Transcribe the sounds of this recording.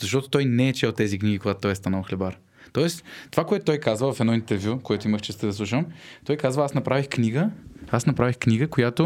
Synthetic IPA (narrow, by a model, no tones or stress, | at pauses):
zɐʃt̪ɔt̪o̥t̪ɔjnɛɛt͡ʃɛlˠt̪ɛzikniɡʲikoɡat̪ʊt̪ɔjɛst̪analˠxlɛbaɾ | t̪ɔɛst̪ovakoɛt̪ʊt̪ɔjkazvəvɐfɛd̪ɔint̪ɛɾvʲjukoɛt̪ʊiməft͡ʃɛst̪ɛd̪ɐslˠuʃ̬əmt̪ɔjkazvəasnɐpɾavixkniɡəasnɐpɾavixkniɡəkojat̪ʊ